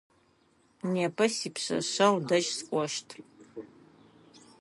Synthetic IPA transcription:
neːpʰɐsiːpɕɐ̰ɕɐwdɐʒskʷʼɔʃtʰ

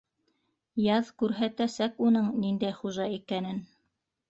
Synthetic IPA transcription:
jɑðkʉɾɦæt̪æsækunɤɴnind̪æjχuʒɑikænɘn

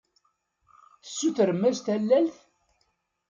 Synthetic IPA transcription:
θə̥sːuθɾəmːæzt̪ælːælθ

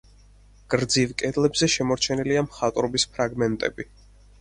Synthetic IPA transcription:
ɡ̥ɾd̪zivkʼɛd̪lɛbzɛʃɛmɔɾt͡ʃʰɛniliamχat̪ʼɾɔbispʰɾaɡmɛnt̪ʼɛ̰bi

